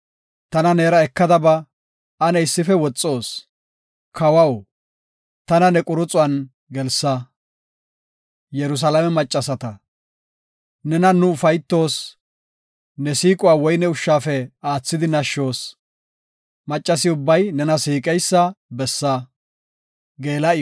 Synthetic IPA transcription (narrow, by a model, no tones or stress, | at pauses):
t̪ɐnɐneːɾɐɛkːɐd̪ɐbɐ | ɐnɛɪsːɪfɛwɔt͡sʼːo̞ːs | kʰɐwɐw | t̪ɐnɐnɛkʼʊɾʊt͡sʼʊɐn | ɡɛlsɐ | jɛɾʊs̬ɐlɐmɛmɐt͡ʃʼːɐsɐt̪ɐ | nɛnɐnʊʊfɐjt̪ːo̞ːs | nɛsiːkʼʊwaːwɔjnɛʊʃːaːfɛaːt͡sːɪd̪ɪnɐʃːo̞ːs | mɐt͡ʃʼːɐsɪʊbːɐjnɛnɐsiːkʼɛjsːɐbɛsːɐ | ɡeːlɐ